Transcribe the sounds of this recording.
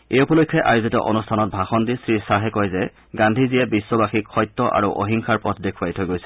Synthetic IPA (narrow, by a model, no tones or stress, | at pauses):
ejupɔlokʰːjɛʔajuzitɔ̰ʔɔnustʰanɔt̚bʱaxɔndisɹisaɦɛkɔjzɛ | ɡandʱizijɛbisːɔbaxikxɔjtːɔʔa̰ɹuʔɔ̰ɦiŋkʰaɹpɔtʰdekʰuajtʰojɡojsɛ̥